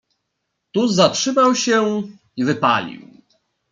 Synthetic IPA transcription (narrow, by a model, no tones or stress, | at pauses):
t̪uzatʂɘmawɕɛ | ivɘpa̰lʲḭw